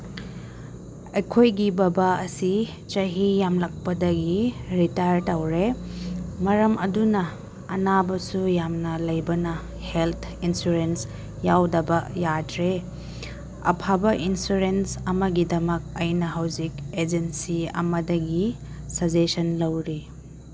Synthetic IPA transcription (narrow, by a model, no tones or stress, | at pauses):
ɐjkʰojɡibɐbaɐsi | t͡ʃɐɦijamlɐk̚pɐdɐɡiɾitaɾtawɾe | mɐɾɐmɐdunɐː | nabɐsujamnɐlɐjbɐnɐ | helt̪ʰinsuɾens | jawdɐbɐjadɾe | ɐ̰pʰabɐʔinsuɾensɐmɐɡidɐmɐk̚ɐjnɐɦawziked͡ʒensiɐ̰mɐdɐɡi | sɐd͡ʒesɐnlɐwɾi